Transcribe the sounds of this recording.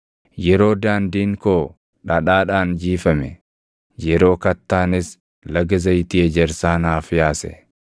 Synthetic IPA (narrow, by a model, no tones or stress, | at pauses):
jɛɾo̞ːd̪aːnd̪iːŋkoː | ᶑɐᶑaːᶑaːnd͡ʒiːfɐmɛ | jɛɾo̞ːkɐt̪ːaːnɪs | lɐɡɐzɐjt̪iːɛd͡ʒɛɾsaːnaːfjaːsɛ̰